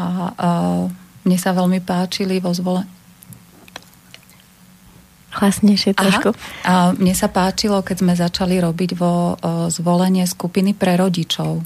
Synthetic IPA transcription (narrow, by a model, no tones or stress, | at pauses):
a | mɲɛsaʋɛlmipaːt͡ʃiliʋɔzʋɔlɛɲ | hlasɲɛɪʃɪɛt̪ɾɔʃkumɲɛsapaːt͡ʃilɔkɛzmɛzat͡ʃaliɾɔbiɟʋɔzʋɔlɛɲɪɛskupinipɾɛɾɔɟit͡ʃɔʊ